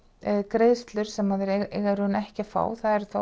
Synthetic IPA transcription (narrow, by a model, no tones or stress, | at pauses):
kɾeːðst̪lʏɾ̥sɛmaðɛɾeɣaɾʏnɛhcɪfa̰ːwθaðɛɾθa